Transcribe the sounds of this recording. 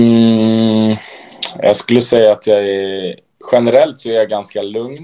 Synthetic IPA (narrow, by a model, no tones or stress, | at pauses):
jɑ̰ɡskɵlːəsɛjːaːt̪ʰjɑːɡæɾ | ɧɛnɛɾɛlt̪sɔæɾjaɡanskalɵŋn